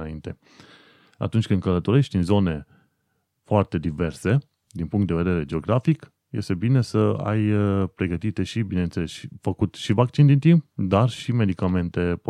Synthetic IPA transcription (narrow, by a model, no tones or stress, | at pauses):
aint̪e̞ | a̰t̪unt͡ʃʲkɨnd̪kələt̪o̞ɾe̞ʃt̪inʲzo̞ne̞ | foart̪e̞d̪ive̞rse̞ | d̪inpuŋkt̪d̪e̞ve̞d̪e̞ɾe̞d͡ʒe̞o̞ɡɾafik | je̞st̪e̞bine̞səa̰jpɾe̞ɡət̪it̪e̞ʃibine̞nt̪selesʃifəkut̪ʃivak̚t͡ʃind̪int̪imp̚d̪arʃime̞d̪ikame̞nt̪e̞p